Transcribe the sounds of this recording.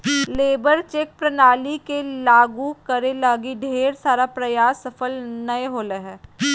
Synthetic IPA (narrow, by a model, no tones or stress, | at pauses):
leːbəɾt͡ʃek̚pɾɐnaːlikelaːɡukɐɾẽlaːɡiɖʱeːɾsaːɾapɾɐjaːsːɐfəlnɐeɦoːleɦɛː